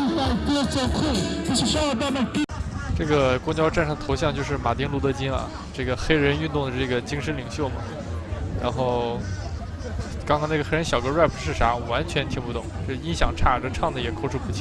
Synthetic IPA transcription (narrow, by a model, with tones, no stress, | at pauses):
a˥˩kt͡sa˥˧kʰo˥˩t͡ɕʂ̩˥˧ʂɑ˥˧t̪ɑ˥˧ʊna˥˩˥ʈ͡ʂɤ˥˩ɡə˩kwɔ˥ŋt͡ɕjɑ˥ʊʈ͡ʂa˥˩˧nʂɑ˥˩ŋd̪ə˩o˧˥ʊɕjɑ˥˧ŋt͡ɕjo˥˧ʊʂ̬ɻ̩˥˩ma˨˩t̪i˥ŋlu˥t̪ɤ˧˥t͡ɕi˥nɐ̰˧ | ʈ͡ʂɤ˥˩ɡə˩xe˥ɪɻə˧˥ny˥˧nt̪ʊ˥˩ŋd̪ə˩ʈ͡ʂɤ˥˩ɡə˩t͡ɕi˥ŋʂə˧˥nli˨˩ŋɕjo˥˩ʊmɐ˩ | ɻa̰˧˥nxo˥˩˧ʊ | kɑ˥ŋkɑ˥ŋna˥˩ə˩xe˥ɻə˧˥nɕjɑ˨˩ʊkə˥ɻwa˥˩ɪpʰu˨˧˥ʂɻ̩˥˩ʂa˧˥wa˧˥nt͡ɕʰɥɛ˧˥nt̪ʰi˧˥ŋpu˥˩t̪ʊ̰˥˩˦ŋʈ͡ʂo˥˩i˧˥nɕjɑ˨˩ŋʈ͡ʂʰa˥˩ʈ͡ʂə˥˩ʈ͡ʂʰɑ˥˩ŋd̪ə˩jɛ˨˩kʰo˥ʊʈ͡ʂʰu˥˩pu˥˩t͡ɕʰi˥˩